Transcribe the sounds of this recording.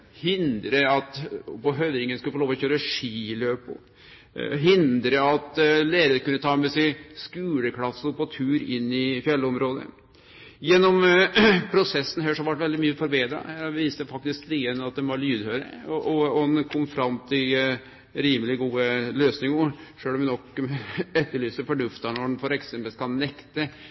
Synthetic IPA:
hɪnd̪ɾəɑt̪pɔɦøʋɾɪŋənskʉləfɔloːʋɔɕçøːɾəʂiːløːpʊ̰ | ɦɪnd̪ɾəɑt̪leːɾəɾkʉnːət̪ʰɑːmɛsɛɪskʉːləklɑsːʊpɔt̪ʰʉːɾɪnːɪfjɛlːəɔmɾoːd̪ə̰ | jɛnːɔmpʰɾʊsɛsːn̩ɦæːʂɔhɑʋæʈːʋɛld̪ɪmyːəfɔɾbeːd̪ɾɑ̰æʋiːst̪əfɑk̚t̪ɪskliːənɑt̪̚d̪ɛnʋɑɭyːd̪høːɾə̰ɔʔɔɔnkʰɔmfɾɑmt̪ʰɪl | ɾiːməlɪɡuːəløːsnɪŋəʂøːlɔmʋɛnɔkː | ɛt̪ːəɭyːsəfɔɖʉft̪ɑnɔɖɛnfɔɾɛksɛmpəlskɑlnɛkt̪ə

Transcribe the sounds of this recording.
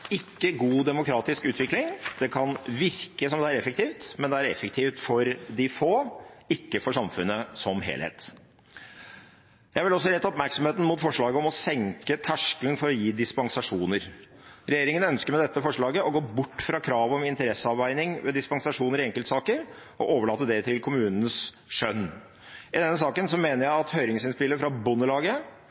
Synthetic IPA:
ɪkːəɡuːd̪ɛmʊkʰɾɑːt̪ɪskʉːt̪ʋɪklɪŋd̪̥ɛkʰɑnʋɪɾkəsɔmd̪ɛæɾɛfək̚t̪ʰiːft̪mɛnd̪ɛæɾɛ̰fːək̚t̪ʰiːft̪fɔɾd̪ɪfoːɪkːəfɔʂɑmfʉnːəsɔmɦḛːlhḛːt̪ | jæɪæʋɪlɔs̬ːɔɾɛt̪ːɔpmæɾksɔmheːt̪n̩mʊːt̪fɔʂɭɑːɡəɔmɔsɛŋkət̪ʰæʂkəln̩fɔɾɔjiːd̪ɪspɑŋsɑʂuːnəɾ | ɾɛjeːɾɪŋənœnskəɾmɛd̪ɛt̪ːəfɔʂɭɑːɡəɔɡoːbʊʈːfɾɑkʰɾɑːʋɔmɪnt̪əɾɛsːəɑʋʋæɪnɪŋʋɛd̪ɪspɑŋsɑʂuːnəɾɪɛŋkəlt̪sɑːkəɾ | ɔʔoːʋəɭɑːt̪ːəd̪ɛt̪ʰɪlkʰʊmʉːnənəs | ʂœnː | ɪd̪ɛnːəsɑːkənsɔmeːnəɾjæɪɑt̪hœʏɾɪŋsɪnspɪlːəfɾɑbʊnːəlɑːɡə

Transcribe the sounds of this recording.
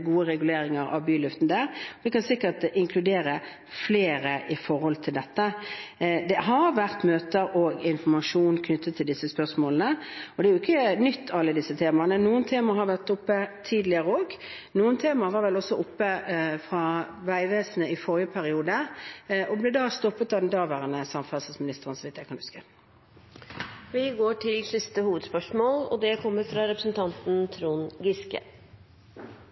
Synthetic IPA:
ɡuːəɾɛɡʉleːɾɪŋəɾɑ̰ʋbyːlʉft̪nd̪æːɾʋɪkɑnsɪkːəʈɪŋkʰlʉd̪eːɾə | fleːɾəʔɪfɔɾhɔlt̪ʰɪld̪ɛt̪ːə | d̪ɛɦɑɾʋæʁt̪møːt̪əɾɔɡɪnfɔmɑʂuːnkʰnʏt̪ʰːət̪ʰːɪld̪ɪsːəspœʁʂmoːlən̩əɔd̪ɛæjʊɪkːənʏt̪ːɑlːəd̪ɪsːət̪ʰeːmɑnənuːənt̪ʰeːmɑhɑɾʋæʁt̪ʊpːət̪ʰiːd̪lɪəɾəoːɡ | nuːənt̪ʰeːmɑʋɑɾʋɛlɔsːɔʊpːəfɾɑ | ʋæɪʋeːsnəɪfɔɾjəpʰæɾɪuːd̪əʔɔblɛd̪ɑst̪ɔpːət̪ɑd̪ɛnd̪ɑːʋəʁənəsɑmfæsəsmɪnɪst̪əʁənsɔʋɛɪt̪jæɪkɑnʉskə | ʋɪɡoːʈʰɪlsɪst̪əhuːʋəd̪spœʂmoːlɔ̰d̪ɛkʰɔmːəɾfɾɑɾɛpɾəsn̩t̪ʰɑnt̪n̩t̪ʰɾuːnɡɪskə̰

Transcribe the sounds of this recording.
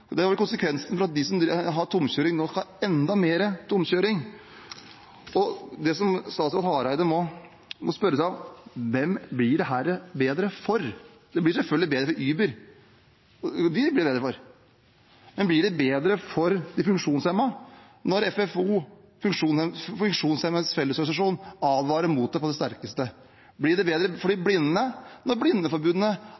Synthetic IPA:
d̪ɛɑɾkʊnsəkʰʋɛnsən̩fɔɾɑt̪̚d̪ɪsɔmd̪ɾɦɑt̪ʰʊmçøːɾɪŋnoːskɑɛnd̪ɑmeːɾət̪ʰʊmɕøːɾɪŋ | ɔd̪ɛsɔmst̪ɑːsɑt̪hɑːɾæɪd̪əmɔ | mɔspœɾəsæɪmʋɛmblɪɖɛɦæːɾbeːd̪ɾəfɔɾ | d̪ɛblɪʂɛfœlɪbeːd̪ɾəfɔɾyːbəɾ | d̪ɪblɪbeːd̪ɾəfɔɾ | mɛnblɪɖɛbeːd̪ɾəfɔɾd̪ɪfʉŋkʂuːnshɛmɑ | nɔɾɛfɛfuː | fʉŋkʂuːnfʉŋkʂuːnshɛməsfɛlːəsɔɾɡɑnsɑʂuːnɑːʋʋɑːɾəɾmuːt̪̚d̪ɛpɔd̪ɛst̪æɾkəst̪ə | blɪɖɛbeːd̪ɾəfɔɖiːblɪnːnənɔɾblɪnːəfɔɾbʉːd̪ənə

